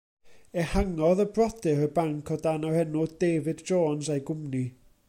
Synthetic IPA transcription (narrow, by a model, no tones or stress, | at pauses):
ɛhaŋɔðəbrɔdɪɾəbaŋkʰɔdanahɛnʊdeːvɨdd͡ʒoːnsajɡʊmni